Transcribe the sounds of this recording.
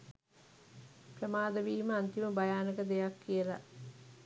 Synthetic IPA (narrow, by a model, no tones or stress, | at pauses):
prəmaːd̪əʋiːməant̪iməbajaːnəkəd̪ejakːijəla̰ʔ